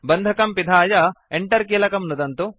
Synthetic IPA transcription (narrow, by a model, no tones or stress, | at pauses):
bɐnd̪ʱɐkɐmpid̪ʱaːjɐeɳʈɐɾkiːlɐkɐmnud̪ɐnt̪u